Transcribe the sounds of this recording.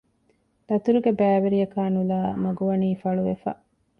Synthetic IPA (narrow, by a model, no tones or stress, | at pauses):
d̪ɐt̪uɾuɡebæːʋeɾijɐkaːnulaːmɐɡuʋɐniːfɐɭuʋefɐ̰